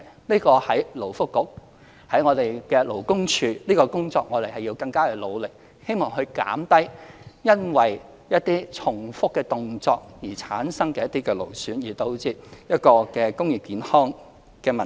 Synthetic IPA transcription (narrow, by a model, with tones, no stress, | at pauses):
liː˥kɔː˧hɐ˨˥jlo˨˩wfʊ˥kːʊ˨˥k̚ | hɐ˨˥jŋɔː˨˧t̪e˨jkɛː˧lo˨˩wkʊ˥ŋt͡ʃʰyː˨˧liː˥kɔː˧kʊ˥ŋt͡sɔː˧k̚ŋɔː˨˧ɾe˨jhɐ˨˩jiː˧wkɐ˧ŋkaː˥kɛ˨˧lo˨˧wlɪ˨k̚ | he˥jmɔː˨ŋɦɵ˧ɥka̰ː˨˥mt̪ɐ˥jjɐ˥nwɐ˨j | jɐ˥t̪̚iː˥t͡sʰʊ˨˩ŋfʊ˥kːɛː˧t̪ʊ˨ŋt͡sɔː˧k̚jiː˨˩t͡sʰaː˨˥nsɐ˥ŋkɛː˧jɐ˥t̪iː˥kɛː˧lo˨˩wsyː˨˥njiː˨˩t̪o˧wt͡siː˧˥t̚jɐ˥t̚kɔː˧kɛː˧kʊ˥ŋji˨p̚kiː˨˥nhɔː˥ŋ | kɛː˧mɐ˨˩